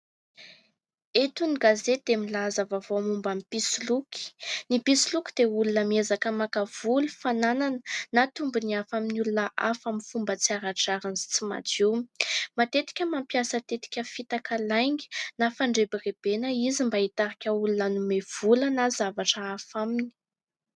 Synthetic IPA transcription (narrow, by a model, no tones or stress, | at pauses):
et̪uniɡazed̪̥emilazavavoamumbamipisiluki̥nipisilukʲid̪̥eulunəmiezakəmakav̥ulufanananənat̪umbuniafaminulunəʔafamifumbət͡siaɾaʈ͡ʂaɾanzi̥t͡sima̰d͡ʒemat̪et̪i̥kʲəmampjasət̪et̪i̥kʲəfit̪akalajŋɡi̥nafaɳɖ͡ʐebireb̥enəizimbait̪aɾikʲəulunənumev̥ulənazavaʈ͡ʂəafamini̥